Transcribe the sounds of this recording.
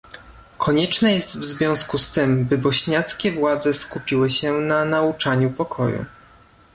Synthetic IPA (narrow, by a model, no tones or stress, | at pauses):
kʰɔɲɛt͡ʂnɛjɛst̪vzvʲjɔ̃w̃skust̪ɘmbɘbɔɕɲat̪skʲɛvwad̪zɛskupʲiwɘɕɛnanaut͡ʂaɲupɔkʰɔ̰jṵ